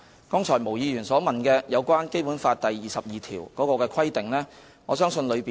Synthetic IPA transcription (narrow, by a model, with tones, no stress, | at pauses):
kɔː˥ŋt͡ʃʰɔː˨˩jmo˨˩wjiː˨˧jyː˨˩nsɔː˨˥mɐ˨nkɛː˧jɐ˨˧wkʷaː˥nke˥jpu˨˥nfaː˧tt̪ɐ˨jːiː˨˩sɐ˨p̚jiː˨t̪ʰiː˨˩wkɔː˨˥kɔː˧kɛː˧kʰɐ˥jt̪ɪ˨ŋlɛː˥ | ŋɔː˨˧sœː˥ŋsɵ˧nlɵ˨˧ɥpiː˨